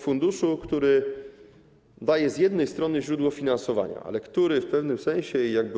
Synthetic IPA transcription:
fund̪uʂukt̪uɾɘ | d̪ajɛzʲjɛd̪nɛjst̪ɾɔnɘʑɾud̪wɔfʲinansɔva̰ɲa̰a̰lɛkt̪uɾɘfpɛvnɘmsɛ̃w̃ɕɛjaɡ̚b

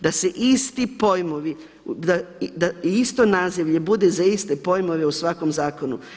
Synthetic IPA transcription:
d̪aseʔist̪ipo̞jmoʋi | d̪ad̪aist̪o̞naziʋʎe̞bud̪e̞zaist̪e̞po̞jmo̞ʋe̞usʋako̞mzaːko̞nu

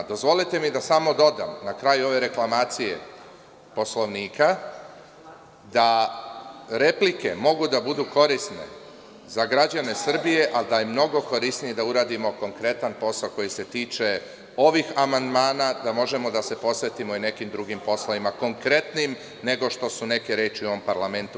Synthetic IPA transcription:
d̪o̞zʋo̞lit̪e̞mid̪asamo̞d̪o̞d̪amnakɾaːjuo̞ʋe̞ɾe̞klˠamaːt̪sije̞̰ | po̞slo̞ʋniːka | d̪a | ɾe̞plike̞mo̞ɡud̪abud̪uko̞ɾisne̞̰ | zaɡɾad͡ʑane̞sr̩bije̞ʔald̪ajemno̞ɡo̞ko̞ɾisnije̞d̪auɾaːd̪imo̞ko̞ŋkɾe̞t̪anpo̞sako̞jise̞t̪iːt͡ʃe̞ | o̞ʋixamand̪maːnad̪amo̞ʒe̞mo̞d̪ase̞po̞sʋe̞t̪imo̞ine̞kimd̪ɾuɡimpo̞slˠaʋimako̞ŋkɾe̞t̪nim | ne̞ɡo̞ʃt̪o̞sune̞ke̞ɾeːt͡ʃiuo̞ʋo̞mpaɾlame̞nt̪u

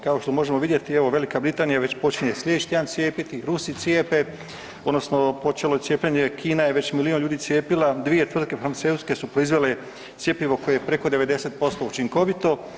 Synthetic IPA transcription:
kao̞ʃt̪o̞mo̞ʒe̞moʋid̪jet̪ieʋo̞ʋe̞likabɾit̪aːnijaʋe̞t͡ɕpo̞t͡ʃiɲeslʲeʃt̪iaːnt̪sjeːpit̪iɾusit̪ʲjeːpe | od̪no̞sno̞po̞t͡ʃe̞loetsʲjeːpʎeɲe̞kʰiːnaje̞ʋe̞t͡ɕmilionʎuːd̪it̪sjeːpilad̪ʋije̞t̪ʋɾr̩d̪̚ke̞fɾant̪seuske̞supɾo̞izʋe̞le | t̪sje̞piʋo̞ko̞jejpɾe̞ko̞d̪e̞ʋe̞d̪e̞set̪̚po̞st̪o̞ut͡ʃiŋko̞ʋit̪o̞

